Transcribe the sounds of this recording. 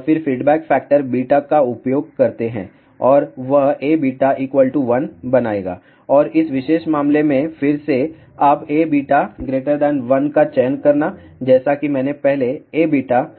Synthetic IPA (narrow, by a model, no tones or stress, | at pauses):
fɪɾfiːɖbɛːkfɛːk̚ʈəɾbiːʈakaʊpjoːɡ̚kɐɾt̪eɦɛ̰̃ː | ɔːɾʋɐɦeːbiːʈaʔiːkʋəlʈuʋɐnbɐnaːḛːɡa̰ː | ɔːɾɪsʋɪʃeːʃmaːmlemẽfɪɾse | aːpeːbiːʈaɡɾeːʈəɾd̪ɛ̃ːnʋɐnkat͡ʃɛːnkɐɾna | d͡ʒɛːsakimɛ̃ːnepɛɦleeːbiːʈa